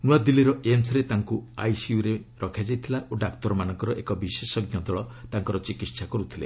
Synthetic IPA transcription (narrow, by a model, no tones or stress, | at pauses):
nuad̪iliɾɔʔemsɾet̪aŋkua̰jsiuɾeɾɔkʰad͡ʒajt̪ʰilaʔoɖakt̪ɔɾɔmanɔŋkɔɾɔʔekɔbisesɔɡjɔd̪ɔɭɔt̪aŋkɔɾɔt͡ʃikit̪sʰakɔɾut̪ʰile